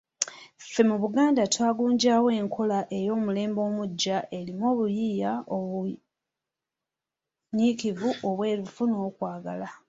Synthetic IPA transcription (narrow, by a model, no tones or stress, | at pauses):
fe̞muβuɡaːndatwaːɡuːɲɟaːwe̞ːŋkʰo̞laʔe̞jo̞ːmule̞ːmbo̞ːmuɟːaʔe̞limo̞ːβujiːjaoβu | ɲikivuʔo̞βwe̞ːɾufuno̞ːkwaːɡa̰la